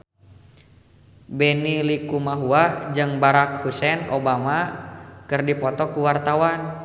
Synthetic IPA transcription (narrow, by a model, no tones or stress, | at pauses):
bɛnilikumaɦuad͡ʒɨŋbaɾak̚husɛnobamakɨrdipɔt̪ɔkuwart̪awan